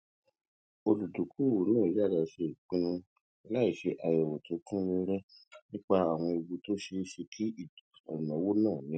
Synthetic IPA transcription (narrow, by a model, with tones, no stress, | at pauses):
o˧lu˨du˨ku˨˦˨wo˨˦nãː˦˨d͡ʒa˦˨la˧ʃe˧˨k͡pĩ˨˦nũ˧ | la˦i˦˨ʃe˧ʔa˨jɛ˨wɔ˨tũ˨˦kũ˦le˧ɾɛ˦nĩ˦k͡pa˧˦a˨w̃ɔ̃˧i˧wu˧to˦ʃe˧˦ʃe˧kʰi˦i˦˨ɔ˨nã˨˦wo˦nãː˦˨nĩ˨˦